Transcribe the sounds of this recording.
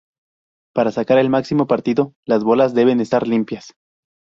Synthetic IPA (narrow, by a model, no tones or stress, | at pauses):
paɾasakaɾe̞lmaksimo̞paɾt̪iðo̞lazβo̞lazd̪e̞β̞e̞ne̞st̪aɾlimpjas